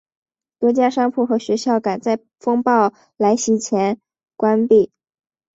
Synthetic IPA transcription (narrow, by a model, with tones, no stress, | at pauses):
t̪wɤ˧˥t͡ɕja˥ʂɑ˥ŋpʰu˥˩xɤ˧˥ɕɥɛ˧˥ɕjɑ˥˩ʊka˨˩nt͡sa˥˩ɪ | fɤ˥ŋpɑ˥˩ʊ | la˧˥ɪɕi˧˥t͡ɕʰjɛ˧˥n | kwa˥npi˥˩